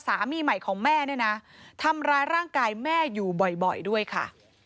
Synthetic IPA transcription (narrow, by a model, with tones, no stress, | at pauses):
saː˩˦miː˧ma˨˩jkʰɔː˩˦ŋmɛː˥˩nɯ˥˩na˦˥t̪ʰa˧mɾaː˦˧jɾaː˥˩ŋkaː˧jmɛː˥˩juː˨˩bɔ˨˩jbɔ˨˩jdu˥˩əjkʰa̰˥˩